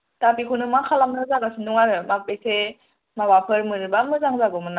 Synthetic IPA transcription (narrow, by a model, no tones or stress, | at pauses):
tapikʰunɯmakʰalamnɯzaɡasinuŋaɾɯmak̚besʰe | mabapʰɯɾmɯnɯbamɯzaŋzaɡɯmɯna